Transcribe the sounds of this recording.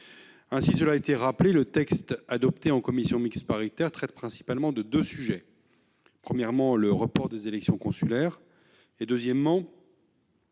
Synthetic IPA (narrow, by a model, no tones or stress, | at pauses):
ɛ̃sisəlaːet̪eʁaplelət̪ɛkst̪ad̪ɔpt̪eɑ̃kɔmisjɔ̃mikspaʁit̪ɛʁt̪χɛt̪pχɛ̃si̥palmɑ̃d̪əd̪øsyʒɛ | pχəmjɛʁmɑ̃ləʁəpɔʁd̪ezelɛksjɔ̃kɔ̃sylɛːʁ | ed̪øzjɛmːɑ̃